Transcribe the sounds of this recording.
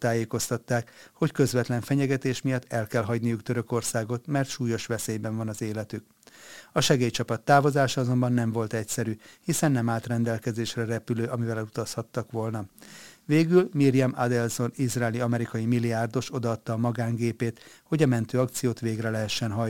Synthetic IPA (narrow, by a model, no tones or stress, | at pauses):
t̪aːjeːko̞st̪ɒt̪ːaːkho̞ckø̞zʋɛt̪lɛɱfɛɲɛɡɛt̪eːʃmijɒt̪ːɛlkɛlɦɒɟnijukt̪ø̞ɾø̞ko̞rsaːɡo̞t̪mɛrt̪ʃuːjo̞ʃʋɛseːjbɛɱvɒnɒzeːlɛt̪yk | ɒʃɛɡeːjt͡ʃɒpɒt̪ːaːvo̞zaːʃɒɒzo̞mbɒnːɛɱvo̞lt̪ɛcsɛɾyhisɛnːɛmaːlt̪rɛnd̪ɛlkɛzeːʃrɛrɛpyløːʔɒmivɛlɛlut̪ɒshɒt̪ːɒkʋo̞lnɒveːɡylmirjɛmad̪ɛlzo̞nizraːliɒmɛɾikɒjimilijaːrd̪o̞ʃo̞d̪ɒɒt̪ːɒːmɒɡaːŋɡeːpeːt̪ho̞ɟɒmɛnt̪øːɒkt̪sijoːt̪ʋeːɡrɛlɛɦɛʃːɛnɦɒj